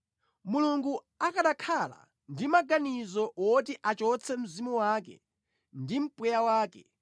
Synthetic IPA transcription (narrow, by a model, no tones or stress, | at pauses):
muluŋɡu | akaɗakʰala̰ | ndimaɡanizɔwɔtiʔat͡ʃɔt͡sʰɛm̩zimuwaːkɛ̰ | ndim̩pwɛjawaːkɛ